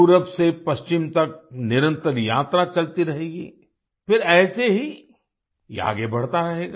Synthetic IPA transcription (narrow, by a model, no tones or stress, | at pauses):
uɾəfsepɐst͡ʃɪmt̪ɐk̚nɪɾə̃nt̪əɾja̰ːt̪ɾat͡ʃɐlt̪iɾɐɦeːɡḭː | fɪɾɛːseɦi | a̰ːɡebɐɽt̪aɾɐɦeːɡa